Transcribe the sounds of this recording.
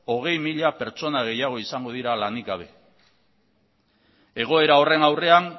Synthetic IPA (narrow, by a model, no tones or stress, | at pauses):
o̞ɣ̞e̞jmiʎape̞ɾt͡so̞naɣ̞e̞jaɣ̞o̞isaŋɡo̞ðiɾalaniɣɡaβ̞e̞ | e̞ɣ̞o̞e̞ɾao̞re̞nawre̞an